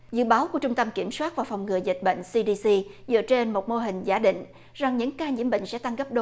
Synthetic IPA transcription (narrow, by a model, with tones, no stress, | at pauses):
zɨ̰˧˨ɓaː˨˦wku˧˩ət͡ɕʊ˧ŋ͡mt̪ə˧mki˧˩əmswaː˦˥t̚vaː˨˩wfa˨˩wŋ͡mŋɨ˨˩əjzi˨˩k̟̚ɓə̰˧˨ŋ̟si˧ɗi˧si˧zɨ̰˧˨ət͡ɕe˧nmo˨˩t̚mo˧ɦï˨˩ŋ̟zaː˧˥ɗḭ̈˧˨ŋ̟ | za˨˩ŋɲɨ̰˧˥ŋkaː˧ɲḭ˧˥əmɓḛ˧˨ŋ̟sɛ̰˧˥t̪a˧ŋɣə˦˥p̚ɗo˨˦